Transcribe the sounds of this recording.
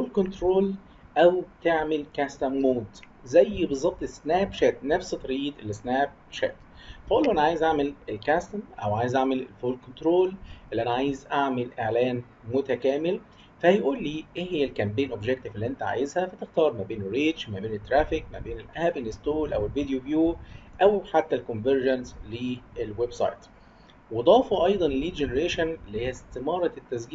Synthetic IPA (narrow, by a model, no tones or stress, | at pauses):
foːlkont̪ɾoːl | ʔæwt̪eʕmɪlkæst̪æmmoːd̪ | zæjːbɨzˤɑt̪ːˤesnæːbʃæt̪næfst̪ˤɑɾiːt̪ʔelːisnæːb̚ʃæ̰t̪ | fæʔuːlːuʔænaʕaːjezʔaʕmelelkæst̪æmʔæ̰wʕaːjezʔaʕmellfoːlkont̪ɾoːlʔelːʔænæʕaːjɪzʔaʕmɪlʔeʕlæːn | mʊt̪ækæːmɪl | fæhæjʔuːlːiːʔehɪjːælkæmbeːnʔobʒek̚t̪ɪfelːiʔent̪æʕa̰ːjezhæfæt̪ɪxt̪ɑːɾˤmæbeːnerːiːd̪t͡ʃmæbeːnet̪ːɾæːfik̚mæ̰beːnelʔæbenest̪oːlʔæ̰welvid̪ejovjuːʔæwħat̪ːælkonveɾʒænsliʔelwebsˤɑ̰jt̪ | wed̪ˤɑːfɑʔɑjd̪ˤɑnliːd͡ʒeneɾeːʃænelːihejːæst̪emɑːɾˤɑt̪ːæs̬ɡiː